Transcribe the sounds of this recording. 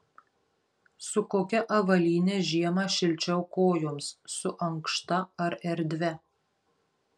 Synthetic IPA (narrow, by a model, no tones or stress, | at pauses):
sʊkoːkʲɛʔɐʋɐlʲiːnʲeʒʲiɛmɑʃʲɪlʲt͡ʃʲɛʊkoːjoːmsːʊʔɐŋkʃt̪ɐɐɾɛɾʲd̪ʲʋʲɛ